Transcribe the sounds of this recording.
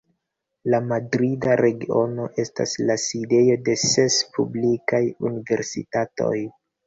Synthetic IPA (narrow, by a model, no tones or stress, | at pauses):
lamadɾidaɾe̞ɡio̞no̞ʔe̞sta̰slaside̞jo̞de̞se̞spʰublikajunive̞̰ɾsḭtato̞̰j